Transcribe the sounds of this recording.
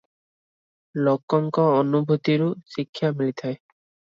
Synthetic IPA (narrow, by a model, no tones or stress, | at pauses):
lɔkːɔŋkɔɔnubʱut̪iɹʊsikʰːjamilit̪ʰaj